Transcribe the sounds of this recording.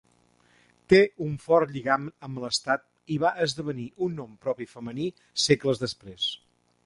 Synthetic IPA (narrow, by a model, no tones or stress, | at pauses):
t̪euɱfɔrʎiɣaməmbləst̪at̪̚ | iβaʔəzðəβəniʔunːɔmpɾɔpifəməni | sekləzðəspɾes